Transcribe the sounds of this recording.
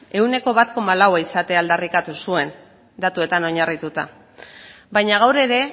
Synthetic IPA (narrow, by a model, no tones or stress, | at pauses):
e̞wne̞ko̞βat̪ko̞malawaisat̪e̞ald̪arikat̪usue̞n | d̪at̪ue̞t̪ano̞ɲarit̪ut̪a | bajɲaɣ̞awɾe̞ɾe̞